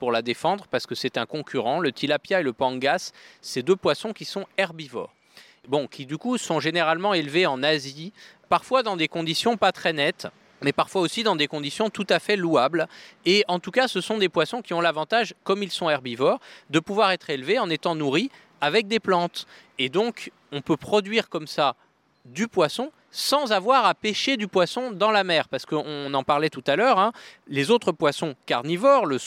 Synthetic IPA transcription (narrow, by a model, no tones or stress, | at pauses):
puʁlad̪efɑ̃d̪ʁəpaʁsə̥kəsɛt̪ɛ̃kɔ̃kʲʰyʁɑ̃lət̪ilapjaeləpɑ̃ɡasːed̪øpwasɔ̃kʲisɔ̃ɛʁbivɔ̰ːʁ | bɔ̃kʲʰid̪ykusɔ̃ʒeneʁalmɑ̃elveɑ̃nazipaʁfwad̪ɑ̃d̪ekɔ̃d̪isjɔ̃pat̪χɛnɛt̪ | mɛpaʁfwaosid̪ɑ̃d̪ekɔ̃d̪isjɔ̃t̪ut̪afɛluableɑ̃t̪ukasəsɔ̃d̪epwasɔ̃kʲiɔ̃lavɑ̃t̪aʒkɔmilsɔ̃ɛʁbivɔʁd̪əpuvwaʁɛt̪χelveɑ̃net̪ɑ̃nuʁi | avɛk̚d̪eplɑ̃t̪ | ed̪ɔ̃k | ɔ̃pøpχɔd̪ɥiʁkɔmsa | d̪ypwasɔ̃ | sɑ̃zavwaʁapeʃed̪ypwasɔ̃d̪ɑ̃lamɛʁpaʁsə̥kəɔ̃nɑ̃paʁlɛt̪ut̪alœʁɛ̃lezot̪χəpwasɔ̃ka̰ʁnivɔʁlə